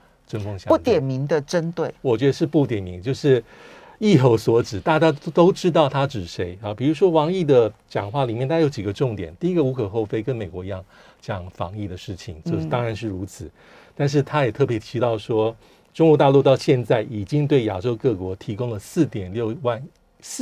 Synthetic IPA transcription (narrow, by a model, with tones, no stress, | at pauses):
ʈ͡ʂə˥nkʰʊ˥ŋɕjɑ˥u˥˩t̪jɛ˨˩nmi˧˥ŋd̪ə˨ʈ͡ʂə˥nt̪we˥˩ɪwɔ˨˩t͡ɕɥɛ˧˥d̪ə˧ʂ̬ɻ̩˥˧pu˥˩t̪jɛ˨˩nmi˧˥ŋt͡ɕjo˥˧ʊʂɻ̩˥˩ | i˥˧xo˧˥ʊswɔ˧˥ʈ͡ʂɻ̩˨˩˦t̪a˥˩t͡ɕja˥t̪o˥ʊʈ͡ʂɻ̩˥t̪ɑ˥˩ʊt̪ʰa˥ʈ͡ʂɻ̩˨˩ʂe˧˥ɪa˨˩pi˨˩ɻu˧˥ʂwɔ˥wɑ˧˥ŋi˥˩d̪ə˨t͡ɕjɑ̰˨˩ŋxwa˥˩li˨˩mjɛ˥˩nt̪ʰa˥jo˧˥ʊt͡ɕi˨˩ɡə˩ʈ͡ʂʊ˥˩ŋt̪jɛ̰˨˩nt̪i˥˧i˥ɡə˨u˧˥kʰɤ˨˩xo˥˩ʊfe˥ɪkə˧˦nme˨˩ɪkwɔ˧˥i˧˥jɑ˥˩ŋ | t͡ɕjɑ˨˩ŋfɑ̰˧˥ŋi˥˩d̪ə˩ʂɻ̩˥˩t͡ɕʰi˨˩ŋt͡ɕo˥˧ʊ˥˧t̪ɑ˥ŋɻa˧˥nʂ̬ɻ̩˥˩ɻu˧˥t͡sʰɹ̩˨˦ | t̪a˥˧nʂ̬ɻ̩˥˩t̪ʰa˥jɛ˨˩t̪ʰɤ˥˩p̬jɛ˧˥t̪ʰi˧˥t̪ɑ˥˩ʊʂwɔ˥ | ʈ͡ʂʊ˥ŋkwɔ˧˥t̪a˥˧lu˥˧t̪ɑ˥˧ʊɕjɛ˥˧nt͡sa˥˩ɪʔi˨˩t͡ɕi˥ŋt̪we˥˩ɪja̰˨˩ʈ͡ʂo˥ʊkɤ˥˩kwɔ˧˥t̪ʰi˧˥kʊ˥ŋlə˨sɹ̩˥˩t̪jɛ˨˩nljo˥˧ʊwa˥˩n | s